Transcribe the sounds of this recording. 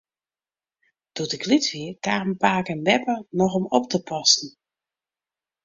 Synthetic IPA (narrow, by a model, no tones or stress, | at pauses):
d̥utɪkʰlitʋiəkaːrənpaːkənʋɛpənɔxɔmɔptəpɔsn̩